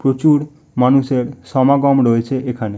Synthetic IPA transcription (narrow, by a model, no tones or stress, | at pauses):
pɾot͡ʃuɽ | manuseɾsɔmaɡɔmɾɔjt͡ʃʰeʔekʰane